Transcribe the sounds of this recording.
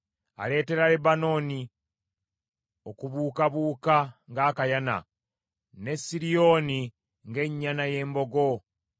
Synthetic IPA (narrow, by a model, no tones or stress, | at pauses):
a̰le̞ːte̞ɾalebano̞ːni | okuβuːkaβuːkaŋɡaːkajana̰ | ne̞siɾijo̞ːni | ŋɡe̞ɲːanaje̞ːmbo̞ɡo̞